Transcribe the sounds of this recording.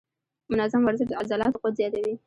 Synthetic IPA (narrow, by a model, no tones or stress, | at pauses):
mʊnɑzamwaɾzɪʃd̪azalɑt̪oqod̪zjɑt̪awi